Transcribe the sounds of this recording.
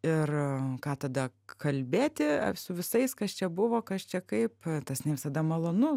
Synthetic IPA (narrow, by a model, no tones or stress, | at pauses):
ɪrkɑːt̪ɐd̪ɐkɐlʲbʲeːt̪ʲɪ̰sʊʋʲɪsɐɪskɐst͡ʃʲɛbʊʋoːkɐst͡ʃʲɛkɐɪpt̪ɐsnʲɛʋʲɪsɐd̪ɐmɐlˠoːnʊ